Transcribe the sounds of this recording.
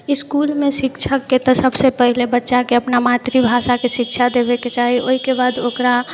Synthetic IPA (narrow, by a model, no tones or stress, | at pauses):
ɪskulmẽsɪkt͡ʃʰəkːet̪ɔsəbsepəɦilebətːʃakeəpnamat̪ɾibʱasakeʃɪkt͡ʃʰad̪ebeket͡ʃaːɦiʔoikebaːd̪oːkɾa